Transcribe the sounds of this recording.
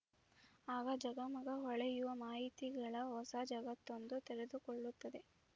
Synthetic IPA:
aːɡɐd͡ʒɐɡɐmɐɡɐɦɔɭɛjuʋɐmaːɦit̪iɡɐɭɐɦɔsad͡ʒɐɡɐt̪ːond̪ut̪ɛɾed̪ukoɭːut̪ːɐd̪e̞

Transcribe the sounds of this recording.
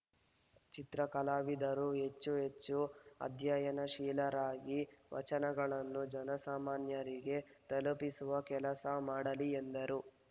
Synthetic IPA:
t͡ʃit̪ɾɐkɐlaːʋid̪ɐɾuɦe̞t͡ʃːuɦe̞t͡ʃːuɐ̰d̪ʱjajɐnɐʃiːlɐɾaːɡiʋɐ̰t͡ʃɐnɐɡɐɭɐnːud͡ʒɐnɐsaːmaːnjɐɾiɡe̞t̪ɐlupisuʋɐkɛlɐsɐmaːɽɐliend̪ɐɾu

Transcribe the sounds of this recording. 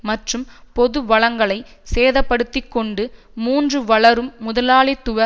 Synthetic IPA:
mɐʈrɯmpɔðɯʋɐɭɐŋɡɐɭɐɪseːðɐpːɐɽɯt̪ːɪkːɔɳɖɯ | muːndrɯʋɐɭɐɾɯmːʊðɐlaːɭit̪ːʊʋɐ

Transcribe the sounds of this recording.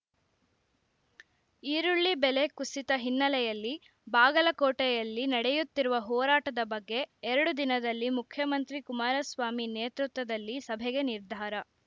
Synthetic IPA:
iːɾuɭːibele̞kusit̪ɐɦinːɐlɛjɐlːi | baːɡɐlɐkɔːʈɛjɐlːinɐɽejut̪ːiɾuʋɐɦɔːɾaːʈɐd̪ɐbɐɡːe̞ːɾɐɽud̪inɐd̪ɐlːimukʰjɐmɐnt̪ɾikumaːɾɐsʋaːmineːt̪ɾut̪ʋɐd̪ɐlːisɐbʱɛɡe̞niɾd̪ʱaːɾɐ

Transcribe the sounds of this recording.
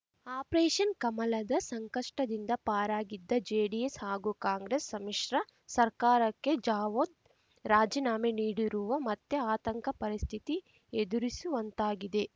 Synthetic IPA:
aːpɾeːʃɐnkɐmɐlɐd̪ɐsɐŋkɐʂʈɐd̪ind̪ɐpaːɾaːɡid̪ːɐd͡ʒeːɖieshaːɡukaːŋɡɾesːɐmiʂɾɐ | sɐɾkaːɾɐkːe̞d͡ʒaːʋod̪ | ɾaːd͡ʒinaːmeniːɽiɾuʋɐmɐt̪ːeaːt̪ɐŋkɐpɐɾist̪ʰit̪i | ed̪uɾisuʋɐnt̪aːɡid̪e̞

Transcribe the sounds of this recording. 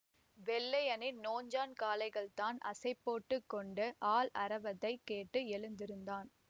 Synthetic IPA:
ʋɛlːɐjɐnɪnnoːɲd͡ʒaːnkaːlɐɪɣɐɭt̪aːnɐ̰sɐɪpːoːʈːɯkːɔɳɖɯʔaːlɐɾɐʋɐðɐɪkːeːʈːɯɛɭɯnd̪ɪɾɯnd̪aːn

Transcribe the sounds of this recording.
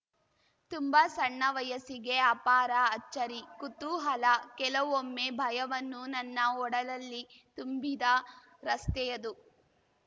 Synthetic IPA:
t̪umbɐsɐɳːɐʋɐjɐsiɡeɐpaːɾɐɐt͡ʃːɐɾikut̪uɦɐlɐkɛlɐʋomːebʱɐjɐʋɐnːunɐnːɐɔɽɐlɐlːi | t̪umbid̪ɐ | ɾɐst̪ɛjɐd̪u

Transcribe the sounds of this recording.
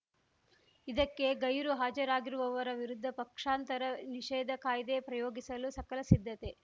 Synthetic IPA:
id̪ɐkːe̞ɡɐjɾuɦaːd͡ʒɐɾaːɡiɾuʋɐʋɐɾɐʋiɾud̪ʱːɐpɐkʂaːnt̪ɐɾɐniʃɛːd̪ɐkaːjid̪epɾɐjoːɡisɐlusɐkɐlɐsid̪ʱːɐt̪e̞

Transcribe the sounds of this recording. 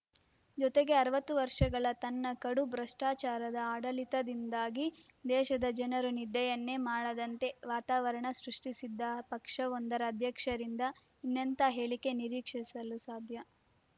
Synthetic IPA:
d͡ʒɔt̪e̞ɡe̞ɐɾɐʋɐt̪ːuʋɐɾʂɐɡɐɭɐt̪ɐnːɐkɐɽubɾɐʂʈaːt͡ʃaːɾɐd̪ɐaːɽɐlit̪ɐd̪ind̪aːɡi | d̪ɛːʃɐd̪ɐd͡ʒɐnɐɾunid̪ɛjɐnːe̞maːɽɐd̪ɐnt̪e̞ʋaːt̪aːʋɐɾɐɳɐsɾuʂʈisid̪ːɐpɐkʂɐond̪ɐɾɐːd̪ʱjɐkʂɐɾind̪ɐ | inːɐnt̪ɐɦe̞ːɭike̞niɾiːkʂisɐlusaːd̪ʱjɐ

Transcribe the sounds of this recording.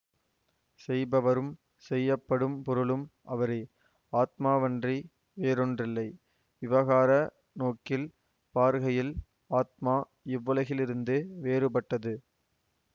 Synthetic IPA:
sɛjbɐʋɐɾɯm | sɛjːɐpːɐɽɯmpɔɾɯɭɯmʔɐʋɐɾɐɪ | aːt̪̚maːʋɐndri | ʋeːɾɔndrɪlːɐɪ | ʋɪʋɐɣaːɾɐ | noːkɪl | paːɾɣɐjɪl | aːt̪̚maː | ɪʋːɐlɐɣɪlɪɾɯnd̪ɯʋeːɾɯpɐʈːɐðɯ

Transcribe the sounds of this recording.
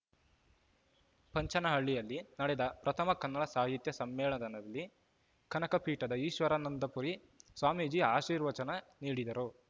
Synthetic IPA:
pɐɲt͡ʃɐnɐɦɐɭːijɐlːinɐɽɛd̪ɐpɾɐt̪ʰɐmɐkɐnːɐɭɐsaːɦit̪jɐsɐmːɛːɭɐd̪ɐnɐlːi | kʰɐnɐkɐpʰiːʈɐd̪ɐiːʃʋɐɾɐnɐnd̪ɐpuɾi | sʋaːmid͡ʒiaːʃiːɾʋɐt͡ʃɐnɐniːɽid̪ɐɾu

